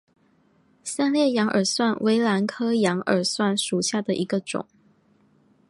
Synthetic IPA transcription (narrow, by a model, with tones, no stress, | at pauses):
sa˥˧nljɛ˥˩jɑ˧˥ŋʔə̰˨˩swa˥˨nwʔe˧˥ɪla˧˥nkʰɤ˦jɑ˧˥ŋə̰˨˩swa˥˩nʂu˨˩ɕja˥˩d̪ə˨ʔi˧˦˥ɡə˧ʈ͡ʂʊ̰˨˩˦ŋ